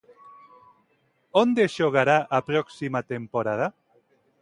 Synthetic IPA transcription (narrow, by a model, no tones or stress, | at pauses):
ond̪eʃoɣaɾaʔapɾɔksimat̪empoɾað̞a